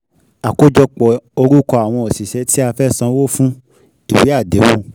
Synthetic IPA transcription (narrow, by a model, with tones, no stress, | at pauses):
a˨ko˦d͡ʒɔ˧k͡pɔ˨o˧ɾu˦kɔ˧a˨w̃ɔ̃˧o˨si˨ʃɛ˨˧˦ti˦a˧fɛ˦sã˧wo˦fũ˦ | i˨wi˨˦a˦˨de˨˦wo˧